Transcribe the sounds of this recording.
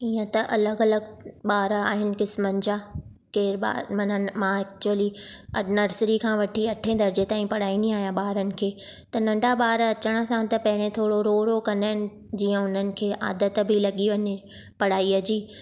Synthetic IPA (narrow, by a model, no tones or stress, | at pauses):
ijə̃t̪ɐʔɐləɡɐləɡɓaːɾaːɦɪnɪ̆kɪsmənɪ̆d͡ʑaː | keːɾɓa̰ːɾmɐnmãːɛk̚t͡ɕuəliɐnəɾsɾikʰãːʋɐʈʰiɐʈʰẽːd̪ɐɾd͡ʑet̪aːĩpɐɽ̤aːiniaːɦjãɓaːɾənɪ̆kʰeːt̪ɐnɐ̃ɳɖʱaɓaːɾɐt͡ɕəɽ̃ə̆sãt̪ɐpɐɦɪɾ̃ẽt̪ʰoːɽoɾoːɾokɐnaɦɪnɪ̆ | d͡ʑiːə̃ʊn̤ənɪ̆kʰeːʔa̰ːd̪ət̪bʱɪlɐɠiʋɐɲ | pɐɽ̤aːiɐd͡ʑiː